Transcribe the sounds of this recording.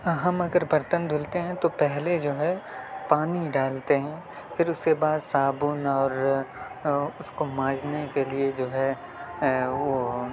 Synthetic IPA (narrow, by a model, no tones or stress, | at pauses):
ɦɐmɐɡəɾbʱɐɾt̪ənd̪ʱʊlt̪eɦɛ̃t̪opɛɦled͡ʒoːɦɛpaːniɖaːlt̪eɦɛ̃ː | fɪɾʊskebaːd̪saːbʊnɔːɾ | ʊskomãːd͡ʒnekelied͡ʒoːɦɛ | ʋo